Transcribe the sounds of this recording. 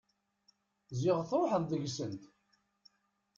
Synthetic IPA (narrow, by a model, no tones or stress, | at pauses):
zɪʁθɾˤoħəððəʝsənt̪